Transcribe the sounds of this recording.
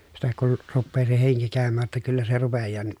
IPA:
sitæ kun rupːeː se heŋki kæˑømːæː tːæ kylːæ se rupejːɑː nyt

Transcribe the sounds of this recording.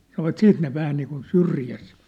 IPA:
sɑnoʋɑt siːt ne ʋæhæ niːkun syrjæs

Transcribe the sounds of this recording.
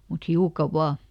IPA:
mut hiukɑ ʋɑː

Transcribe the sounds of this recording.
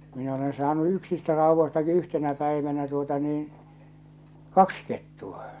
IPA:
min olen sɑːnu yksistæ rɑuʋːostɑki yhtenæ pæiʋænæ tuotɑ niːn̞ kɑks ketːuɑ

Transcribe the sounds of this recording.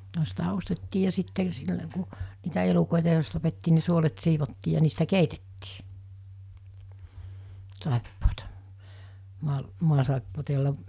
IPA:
no sitæ ostetːiː jɑ sitːe silːə ku niːtæ elukoˑitɑ jos tɑpetːiː ni suolet siːʋotːiː jɑ niːstæ keitetːiː sɑˑepːoːtɑ mu̞ɑl muɑsɑˑepːoːtɑ jolːɑ

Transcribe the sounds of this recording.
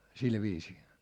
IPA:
sil ʋiːsiː

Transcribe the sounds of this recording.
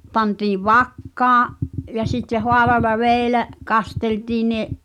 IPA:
pɑntiːʋ ʋɑkːɑːʔ jɑ sitːeh hoɑleɑlɑ ʋeˑi̞læʔ kɑsteltiː neʔ

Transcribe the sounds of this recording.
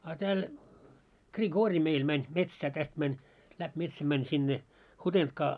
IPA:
ɑ tæːl ɡriɡoːri meil mænʲ metsæː tæst mænʲ læp metsæm mænʲ sinːe hutentkɑː

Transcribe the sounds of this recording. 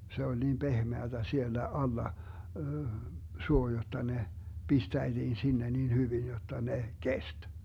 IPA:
se olʲ niːm pehmeætæ sielːæ ɑlːɑ suo jotːɑ ne pistæitiːn sinːe nin hyʋin jotːɑ ne kest

